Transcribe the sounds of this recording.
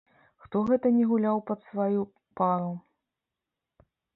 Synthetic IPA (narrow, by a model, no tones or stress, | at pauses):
xt̪ɔɣɛt̪ɐnʲɛɣulʲawpɐt̪svaju | paɾu